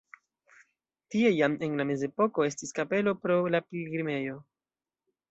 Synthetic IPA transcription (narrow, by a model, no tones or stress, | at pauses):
tie̞jame̞nlame̞ze̞po̞ko̞e̞stiskape̞lo̞pɾo̞lapilɡɾime̞jo̞